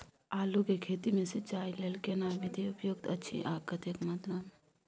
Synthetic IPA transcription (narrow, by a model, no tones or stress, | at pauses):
aːlukekʰeːt̪imẽset͡ʃaːileːlkenaːbɪd̪ʱiʊpjoːɡ̚t̪ətːʃʰḭʔaːp̚kət̪ekmat̪ɾam